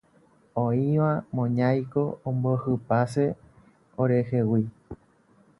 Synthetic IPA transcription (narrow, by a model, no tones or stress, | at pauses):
õĩʋãmõɲãjko̞õmbohɨpase̞ | oɾe̞he̞wi